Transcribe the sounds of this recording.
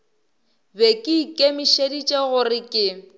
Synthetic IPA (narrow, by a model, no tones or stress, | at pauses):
bekʼɪkʼemɪʃedit͡ʃʼeɣʊrɪkʼɪ